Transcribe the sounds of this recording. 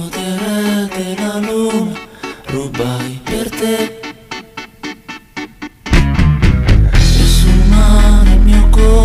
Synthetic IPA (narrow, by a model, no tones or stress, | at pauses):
ot̪eɾɛld̪elalunarubajpert̪e | esunanemiokɔ